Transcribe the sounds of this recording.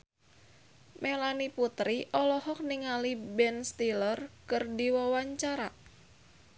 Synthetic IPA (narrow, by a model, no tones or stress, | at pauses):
mʔelaniput̪ɾiʔɔlɔhɔk̚niŋalibɛnst̪ilərkɨrdiwɔwaɲt͡ʃaɾa